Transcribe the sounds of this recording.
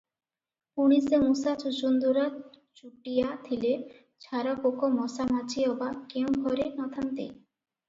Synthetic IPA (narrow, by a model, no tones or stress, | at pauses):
unisemusat͡ɕud͡ʑund̪uɾa | t͡ɕuʈijat̪ʰile | t͡ɕʰaɾakokomɔsamat͡ɕʰiɔbakewɡʱɔɾenɔt̪ʰant̪ḛ